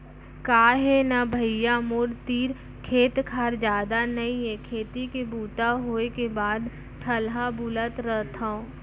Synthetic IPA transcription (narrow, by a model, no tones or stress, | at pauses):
kaːɦenabʱəjamoɾt̪iːɾ | kʰeːt̪kʰaːɾd͡ʒjaːd̪anɐĩekʰeːt̪ikebuːʈ̪aɦoːekebaːd̪ | ʈʰəlɦabulət̪ɾət̪ʰaõ